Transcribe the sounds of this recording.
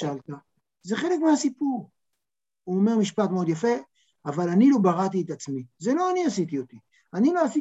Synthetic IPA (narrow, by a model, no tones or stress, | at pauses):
ʃalt̪a | ze̞χele̞kmeasipuʁ | uome̞ʁmiʃpat̪meo̞d̪jafe̞ | avalanilo̞baʁat̪iet̪at͡smizelo̞aniasit̪io̞t̪i | aniloasi